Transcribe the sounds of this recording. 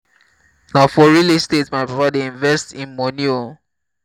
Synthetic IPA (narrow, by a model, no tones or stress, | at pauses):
naʊfɔɹilestetmaɪpapadeĩnvɛstĩnmɔnio